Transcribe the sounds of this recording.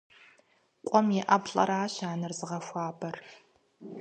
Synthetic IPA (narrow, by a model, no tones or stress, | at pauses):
qʷʼɔmjɛʔɐbɬʼɐ̰ɾaːɕaːnɐrzɨʁɐxʷaːbɐr